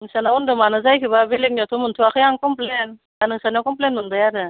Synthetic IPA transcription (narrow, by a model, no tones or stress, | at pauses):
ŋsanaɔndɯmanɯzajkʰibabelek̚nɔt̪ʰumɯntʰuakʰɯjaŋkɔmplen | anɯŋsanɔkɔmplenmɯndɯjaɾɯ